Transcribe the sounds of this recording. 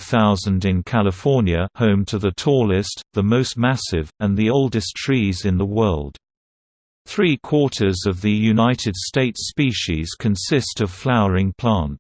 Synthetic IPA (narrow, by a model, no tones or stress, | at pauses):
θaʊzə̃ndɨ̃nkʰælˠəfɔɹnjəhõʊ̃mtʰəðətʰɔlɪstðəmoʊst̚mæsɪvə̃nðioʊlˠdɨstʰɹ̥iːzɨ̃nðəwɜ˞lˠd̥ | θɹikʰw̥ɔɹɾə˞zʌvðɨjʉnaɪtɨd̥steɪtspiʃiz̥kʰɨ̃nsɪstʌv̥flaʊə˞ɪ̃ŋpʰl̥ɑ̃nt